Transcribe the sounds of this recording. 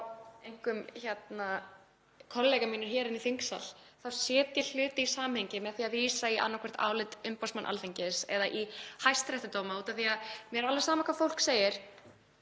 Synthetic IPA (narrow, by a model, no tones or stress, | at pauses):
ejŋ̥kʏmçɛt̪na | kʰɔnlɛɣamiːnʏɾ̥çɛːɾɪniθiŋksa̰l̥θawsjɛːt̪jɛl̥ʏːt̪ɪisaːmheɲcɪmɛðθiaðviːsaiʔa̰nːakʰvɛr̥t̪a̰ːwlɪt̪ʏmpawsmanʔa̰lθeɲcɪsɛ̰ðaʔihajst̪ɾɛht̪ʏt̪oːwmauːt̪anθiaðmjɛɾalvɛsaːmakʰvafowl̥kseːjɪɾ̥